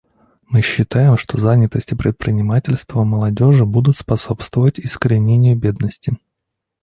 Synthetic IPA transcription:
mɨɕːɪt̪ajɪmʂt̪o̞zanʲɪt̪əsʲtʲɪpɾʲɪt̪̚pɾʲɪnʲɪmatʲɪlʲst̪vəməlˠɐdʲo̞ʐɨbud̪ʊt̪spɐso̞pst̪vəvətʲɪskəɾʲɪnʲenʲɪjʊbʲe̞d̪nəsʲtʲɪ

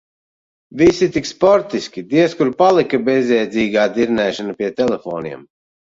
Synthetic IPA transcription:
visit̪ikspɔɾt̪iskʲid̪iɛskuɾpalˠikabezʲɛjd̪ziːɡaːd̪iɾnɛːʃanapʲiɛt̪ɛlɛfoːnḭɛm

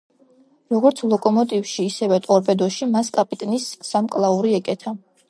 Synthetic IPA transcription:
ɾɔɡɔɾt̪sʰlˠɔkʼɔmɔt̪ʼivfʃiːsɛvɛt̪ʼɔɾpʼɛd̪ɔʃimaskʼapʼit̪ʼnisːamkʼlˠauɾiɛkʼɛt̪ʰa

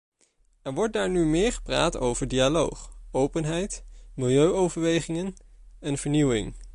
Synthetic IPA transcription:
ɛɹʋɔɹt̚daːɹnymɪːɹχə̥pra̰ːto̰wvəɹdialo̰wχowpənɦɛjtmɪlˠjøɥowvəɹʋejχɪŋənɛnvəɹniwɪ̰ŋ

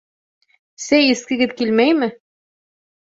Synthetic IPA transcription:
sæjĭskɘ̆ɡɘðkilmæjmɘ

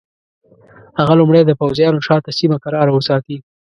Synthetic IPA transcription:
haɣalʊmɽed̪əpawzjɑnoʃɑt̪asimakaɾɑɾawəsɑt̪i

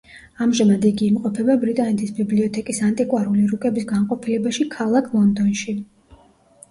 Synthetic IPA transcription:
amʒamad̪iɡiːmqʼɔpʰɛbabɾit̪ʼanɛt̪ʰisbibliɔt̪ʰɛkʼisant̪ʼikʼwaɾuliɾukʼɛbisɡanqʼɔpʰilɛbaʃikʰalˠakʰlˠɔnd̪ɔnʃi

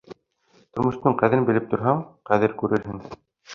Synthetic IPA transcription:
t̪ŏɾmŏʃt̪ɤɴqæðɘnbɘ̆lɘp̚t̪ŏɾɦɑɴqæðɘɾkʉɾɘ̆ɾɦɘŋ

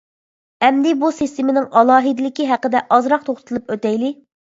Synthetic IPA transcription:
ɛmd̪ɪbusist̪ɪmɪnɪŋɑlˠɑːɦid̪ɪlɪkʲiɦæqəd̪ɛʔɑzɾɑq̚t̪ʰoχt̪ʰt̪ʰɨlˠɨpøt̪ɛjlɪ

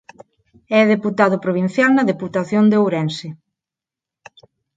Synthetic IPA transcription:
ɛðeput̪aðʊpɾoβ̞in̟θjalnɐðeput̪aθjond̪eowɾɛnsɪ

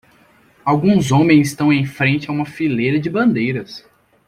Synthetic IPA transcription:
awɡũzõmẽj̃zɪst̪ɐ̃w̃ẽj̃fɾẽnt͡ʃɪaũmɐfilejɾɐd͡ʒɪbɐ̃nd̪ejɾɐs

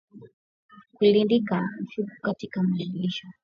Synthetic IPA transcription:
kulindikan̩ʃukukatikamaliɡiʃɔ

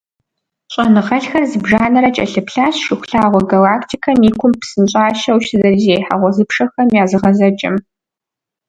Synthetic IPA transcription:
ɕʼɐnɨʁɐɬxɐrzɨbʒaːnɐɾɐt͡ʃʼɐ̰ɬɨpɬaːɕʃɪxʷʊɬaːʁʷɔɡɐlaːktʰiːkʰɐmiːkʷʰʊmpsɨnɕʼaːʃɐwʃɨzɐrzejħa̰ʁʷɔzɨpʂɐxɐmjaːzɨʁɐzɐt͡ʃʼɐ̰m

